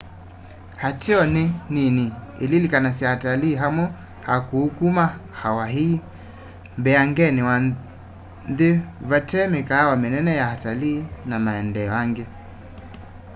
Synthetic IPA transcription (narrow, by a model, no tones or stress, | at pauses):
hatiɔnɛnini | ililikanas̬iahataliːɦamɔ | hakuhukumaxawaɦi | mbɛaŋɡɛniwa | nðɛvatɛmɛkawamɛnɛnɛjahataliːnamaɛndɛaŋɡɛ